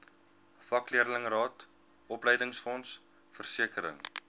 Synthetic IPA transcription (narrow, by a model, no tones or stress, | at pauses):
fɐkliərləŋrɑːt | ɔpləjdəŋsfɔns | fərsiəkəɾə̰ŋ